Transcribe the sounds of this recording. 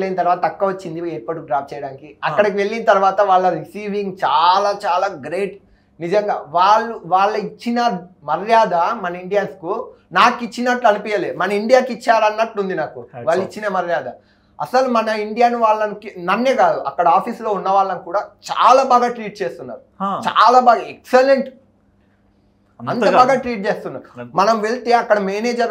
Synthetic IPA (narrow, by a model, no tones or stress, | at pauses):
lːejnɐt̪ɐɾʋaːt̪ɐɐkːɐʋɐt͡ʃːind̪ieːpɐʈuɖɾaːf̚t͡ʃɛjɐɽaːnikiɐkːɐɽɐkiʋe̞ɭːinɐt̪ɐɾuʋaːt̪ɐʋaːɭːɐɾisiːʋiŋɡt͡ʃaːlaːt͡ʃaːlaːɡɾeːʈ | nid͡ʒɐŋɡaːʋaːɭːuʋaːɭːɐit͡ʃːinɐmɐɾjaːd̪ɐmɐnɐiɳɖijɐnsku | naːkit͡ʃːinɐʈluɐnipiːjɐleːmɐnɐiɳɖijaːkit͡ʃːaːɾɐnːɐʈlund̪inaːkuʋaːɭːit͡ʃːinɐmɐɾjaːd̪ɐ | ɐ̰sɐlumɐnɐiɳɖijaːnuʋaːɭːɐnkinɐnːeːkaːd̪uʔɐ̰kːɐɽɐaːpʰiːslo̞ːunːɐʋaːɭːɐnkuːɽaːt͡ʃa̰ːlaːbaːɡaːʈɾiːʈ̚t͡ʃeːst̪unːa̰ːɾut͡ʃa̰ːlaːbaːɡaekseleɳʈ | ɐnt̪ɐbaːɡaːʈɾiːʈ̚t͡ʃeːst̪unːɐ̰mɐnɐmʋe̞ɭt̪e̞ːɐkːɐɽɐmeːneːd͡ʒɐɾ